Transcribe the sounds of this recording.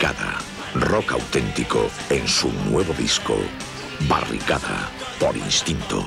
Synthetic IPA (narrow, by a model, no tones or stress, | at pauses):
aða | rɔkawt̪ent̪iko | eŋsunweβʊðisko̰ | barḭkaða̰ | poɾinst̪int̪o̰